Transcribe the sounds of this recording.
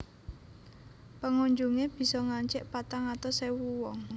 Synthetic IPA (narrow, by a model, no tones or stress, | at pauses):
pəŋoɲd͡ʒuŋeb̥i̤sɔŋaɲt͡ʃɪʔpat̪aŋat̪ɔsewuwɔŋ